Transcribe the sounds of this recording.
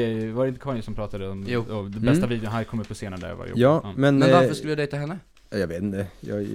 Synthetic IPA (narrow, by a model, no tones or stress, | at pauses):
ɛvaɾɛɪnt̪əkʰvaːnsɔmpɾɑːt̪ad̪əɔmjuːɔd̪ɛbɛst̪aviːd̪jʊnɦæɾkʰɔmːəpʰɔseːnaɾəd̪æ̰ɾja̰va̰j̰jɑːmɛnmɛnaɾffœʂkɯləjaːd̪ɛjt̪aɦɛnːə | ɑjɑveːt̪ɪnt̪əjɑ̰ːɡ